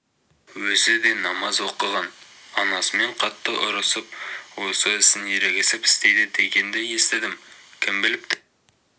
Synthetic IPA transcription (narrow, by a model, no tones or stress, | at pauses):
wɵzɪd̪e̞nɑmɑzwo̞qəʁɑn | ɑnɑsəme̞ɴqʰɑt̪ːəʔʊɾəsəp̚wo̞səɪsɪnje̞ɾeɡʲesɪpɪ̥st̪e̞jd̪ɪd̪e̞ɡʲe̞nd̪ɪje̞st̪ɪd̪ɪmkʲʰɪmbɪlɪp̚t̪